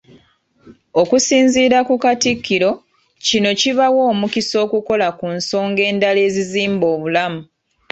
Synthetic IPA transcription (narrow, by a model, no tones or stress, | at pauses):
okusiːnziːɾakukatikːiɾo̞ | cino̞ciβawo̞ːmukiso̞ːkuko̞lakunso̞ːŋɡe̞ːndale̞ːziziːmbo̞ːβulamu